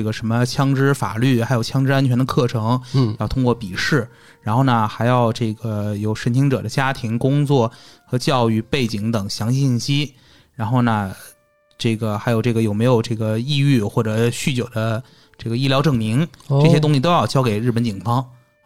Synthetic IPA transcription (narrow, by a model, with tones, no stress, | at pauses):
ʈ͡ʂɡə˩ʂə˧˥nmə˧t͡ɕʰjɑ˥ŋʈ͡ʂɻ̩˥fa̰˨˩ly˥˩xa˧˥jo˨˩ʊt͡ɕʰjɑ˥ŋʈ͡ʂɻ̩˥a˥nt͡ɕʰɥɛ˧˥nd̪ə˧kʰɤ˥˩ʈ͡ʂʰɤ˧˥ŋjɑ˥˩ʊt̪ʰʊ˥ŋkwɔ˥˧˩pi˨˩ʂɻ̩˥˩ | ɻa˧˥nxo˥˩ʊnə˩xa˧˥ɪjɑ˥˧ʊʈ͡ʂɤ˥˩ɡə˩jo˨˩ʊʂə˥nt͡ɕʰi˧˥ŋʈ͡ʂɤ̰˨˩d̪ə˦t͡ɕja˥t̪ʰi˧˥ŋkʊ˥ŋt͡swɔ˥˩xɤ˧˥t͡ɕjɑ˥˧ʊy˥˧pe˥˩ɪt͡ɕi˧˥ŋt̪ɤ˨˩ŋɕjɑ˧˥ŋt͡ɕi˥˧˩ɕi˥˩nɕi˥ | ɻa˧˥nxo˥˩ʊnə˩ | ʈ͡ʂɤ˥˩ɡə˩xa˧˥ɪjo˨˩ʊʈ͡ʂɤ˥˩ɡə˩jo˨˩ʊme˧˥ɪjo˨˩ʊʈ͡ʂɤ˥˩ɡə˩i˥˧y˥˧xwɔ˥˩ʈ͡ʂɤ˨˩ɕy˥˩t͡ɕjo˨˩ʊd̪ə˦ | ʈ͡ʂɤ˥˩ɡə˩i˥˩ljɑ˧˥ʊʈ͡ʂɤ˨˩ŋmi˧˥ŋʈ͡ʂɤ˥˧ɕjɛ˥t̪ʊ˥ŋɕi˨˩t̪o˥ʊjɑ˥˧ʊt͡ɕjɑ˥ʊke˨˩ɪɻ̩˥˩pə˧˥nt͡ɕi˨˩ŋfɑ˥ŋ